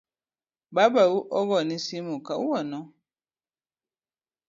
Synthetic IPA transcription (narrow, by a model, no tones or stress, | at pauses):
babawuʔɔɣɔnisimukauwɔnɔ